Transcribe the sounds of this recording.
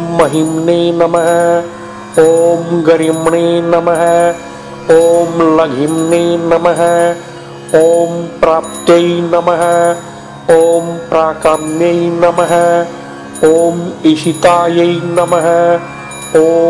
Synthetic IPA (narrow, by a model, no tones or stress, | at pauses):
ɐɦimneːnɐmɐɦɐ | oːmɡɐɾimɳeːnɐmɐɦɐ | oːmlɐɡʱimneːnɐmɐɦɐ | oːmpɾaːp̚t̪jɐinɐmɐɦɐ̆ | oːmpɾaːkɐmnjɐinɐmɐɦɐ | oːmiʃit̪aːjɐinɐmɐɦɐ | oː